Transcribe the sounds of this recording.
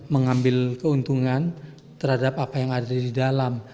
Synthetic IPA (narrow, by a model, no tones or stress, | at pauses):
məŋambɪlkəunt̪uŋan | t̪ərhadapapajaŋadaadidalam